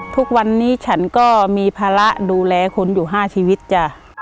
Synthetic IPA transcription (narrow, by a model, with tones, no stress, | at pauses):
t̪ʰu˦˥k̚wa˧nːiː˦˥t͡ɕʰa˦˥nkɔː˥˩miː˧pʰaː˧la˦˥ʔduː˧lɛː˧kʰo˧njuː˨˩ɦaː˥˩t͡ɕʰiː˧wi˦˥t̪̚t͡ɕa˧˩